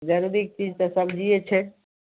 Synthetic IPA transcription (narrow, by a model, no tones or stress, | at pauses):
d͡ʒaɾuɾik̚t͡ɕid͡ʑt̪asʌbd͡ʑijet͡ɕʰe